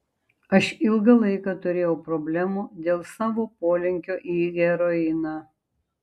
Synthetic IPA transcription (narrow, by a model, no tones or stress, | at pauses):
ɐʃɪlˠɡɐlˠɐɪkɑt̪ʊɾʲeːjɛʊpɾɔbʲlʲæːmuːd̪ʲeːlˠsɑːʋoːpoːlʲɪŋʲkʲoːʔiːɡʲɛɾɔɪnɑː